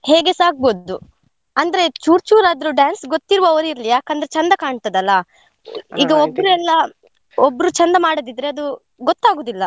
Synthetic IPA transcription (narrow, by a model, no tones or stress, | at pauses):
heːɡesaːk̚boːdd̪u | ɐnd̪ɐɾe̞t͡ʃuːɾt͡ʃuːɾaːd̪ɾuɖjaːnsɡot̪ːiɾʋoʋɾiɾɐlijaːkɐnd̪ɐɾe̞t͡ʃɐnd̪ɐkaːɳt̪ɐd̪ɐlːɐ | iːɡɐobːɾuɛlːɐ | obːɐɾut͡ʃɐnd̪ɐmaːɽod̪id̪ɾe̞ɐd̪u | ɡot̪ːaːɡoːd̪ilːɐ